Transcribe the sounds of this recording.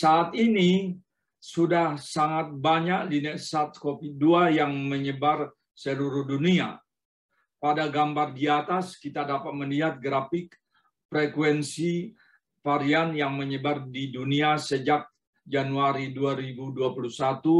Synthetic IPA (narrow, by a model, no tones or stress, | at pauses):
saːt̪ini | sudahsaŋat̪̚baɲaklinɛʔsat̪̚kofit̪̚duajaŋməɲəbar | səluɾʊhdunia̰ | padaɡambardiat̪askit̪adapat̪̚məliɦat̪̚ɡɾafɪk | pɾɛkwɛnsi | faɾianjaŋməɲəbardiduniasəd͡ʒak̚ | d͡ʒanuaɾiduaɾibuduapulusat̪u